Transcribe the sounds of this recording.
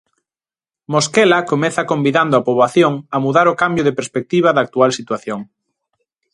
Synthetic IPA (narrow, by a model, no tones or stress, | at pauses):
moskɛlɐkomɛθɐkombiðand̪ʊapoβaθjoŋɐmuðaɾokambjʊðɪpeɾspek̚t̪iβ̞ɐðɐak̚t̪ualsit̪waθjoŋ